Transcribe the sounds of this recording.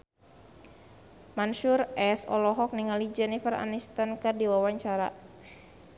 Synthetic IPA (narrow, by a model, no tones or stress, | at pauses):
manʃurɛsɔ̰lɔɦɔk̚niŋalid͡ʒɛnifəra̰nist̪ankərdiwawaɲt͡ʃaɾa̰